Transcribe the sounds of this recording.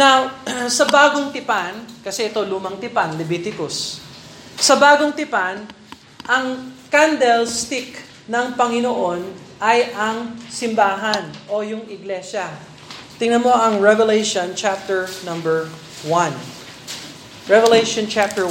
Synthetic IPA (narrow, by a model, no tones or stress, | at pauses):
nawsɐbaːɡoŋt̪ɪpankɐsɛʔɛt̪o̞lumɐŋt̪ɪpanlɛbiːt̪ɪkosː | ɐbaːɡoŋt̪ɪpan | ʔɐŋkand̪ɛlst̪ɪk | nɐŋpɐŋɪnoʔo̞nʔɐjʔɐŋsɪmbaːɦɐnʔo̞jʊŋɪɡlɛʃɐ | t̪ɪŋnɐnmo̞ʔɐŋɹɛvɛlejʃõnt͡ʃap̚t̪ɛɹnɐ̃mbɛɹ | wɐ̃n | ɹɛvɛlejʃont͡ʃap̚t̪ɛ